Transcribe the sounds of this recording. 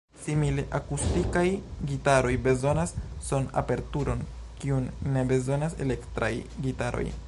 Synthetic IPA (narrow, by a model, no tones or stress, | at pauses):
simile̞ʔakustikajɡitaɾo̞jbe̞zo̞nasːo̞na̰pe̞ɾtuɾo̞n | kiunːe̞be̞zo̞nase̞̰le̞ktɾajɡitaɾo̞̰j